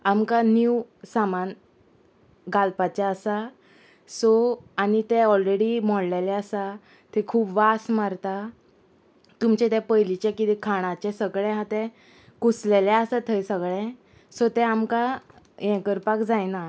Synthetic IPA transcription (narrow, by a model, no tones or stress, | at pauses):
amkanjiusaman | ɡalpat͡ɕaəsa | soañit̪ɛɔlɾeɽimɔɽlelɛəsa | t̪ɛ̃kʰuːpʋasmaɾt̪a | t̪umt͡ɕɛ̃t̪ɛpəjlit͡ɕɛkit̪ikʰaɽ̃at͡ɕɛsəɡɭɛ̃ɦat̪ɛ | kuslelaəsat̪ʰəjsəɡɭɛ̃ | sɔt̪ɛ̃amka | jɛ̃kəɾpakd͡zajna